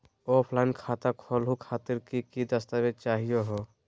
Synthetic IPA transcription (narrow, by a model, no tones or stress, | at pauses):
opʰlaɪnkʰaːt̪akʰɔlɦukʰaːt̪iɾkikid̪əst̪amet͡ʃaɦijoɦo